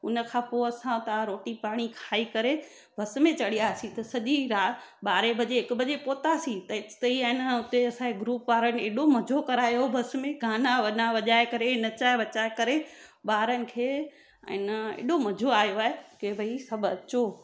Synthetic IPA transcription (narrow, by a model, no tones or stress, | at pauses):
ʊnə̆kʰãːpoɐsãt̪ɐaɾoːʈipaːɽ̃ikʰaːikɐɾe | bʱɐs̆mẽt͡ɕɐɽijaːsĩt̪ɐsɐʄiɾaːɓaːɾebʱɐʄeɪkʊbʱɐʄepoːt̪asĩt̪ɐɪt̪ɐiaɪnʊt̪eɐsãeɡɾuːpʋaːɾənɪ̆eːɗomɐd͡ʑʱokɐɾaːjobʱɐs̆mẽɡʱaːnaʋɐnaʋɐʄaːekɐɾenɐt͡ɕaːeʋɐt͡ɕaːekɐɾeɓaːɾənɪ̆kʰḛː | ɪnəḛːɗomɐd͡ʑʱoaːjoaːɦekebʱɐisɐbʱɐ̰t͡ɕoː